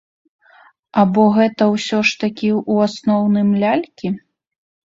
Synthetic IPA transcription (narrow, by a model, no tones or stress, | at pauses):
abɔɣɛt̪ɐwsʲɔʂt̪akʲiuasnɔwnɨjmlʲalʲkʲi